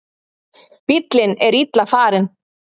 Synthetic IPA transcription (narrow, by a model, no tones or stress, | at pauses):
pit̪lɪnɛɾit̪lafaːɾɪn